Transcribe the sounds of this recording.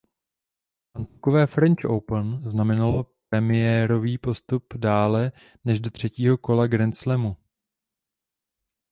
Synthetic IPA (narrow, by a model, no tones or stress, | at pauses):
ʔant̪ukovɛːfɾɛnt͡ʃʔo̰wpənznamɛnalopɾɛmɪjɛːɾo̞viːpo̞st̪updaːlɛ | nɛʒdo̞t̪r̝̥ɛciːɦo̞ko̞laɡɾɛnslɛmu